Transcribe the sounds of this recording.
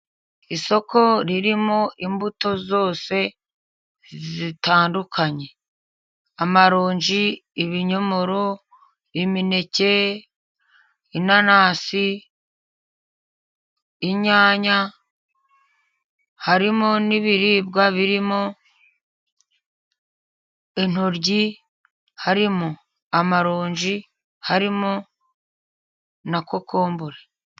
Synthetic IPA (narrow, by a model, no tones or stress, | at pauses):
iso̞kʰo̞ɾiɾimo̞ʔimbuto̞zo̞ːse̞ | zzitaːndukʰaɲe̞ | amaɾoːɲʒiːβiɲo̞mo̞ɾo̞ | imine̞ce̞ | inanaːsi | iɲaːɲa | haɾimoniβiɾiːbɡaβiɾimo | en̥oɾɟi | haɾimo | amaɾoːɲʒi | haɾimo | nako̞kʰoːmbuɾe̥